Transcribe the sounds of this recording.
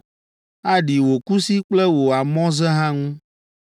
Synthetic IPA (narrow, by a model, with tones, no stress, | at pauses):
a˦ɖi˨wo˨ku˦si˦k͡plɛ˦wo˨a˨mɔ̃˦zɛ˦ɦã˦ŋũ˦